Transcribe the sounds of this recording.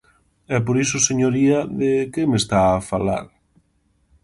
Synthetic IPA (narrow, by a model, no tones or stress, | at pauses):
ɛpoɾisʊseɲoɾiɐðɪkemest̪aːfala̰ɾ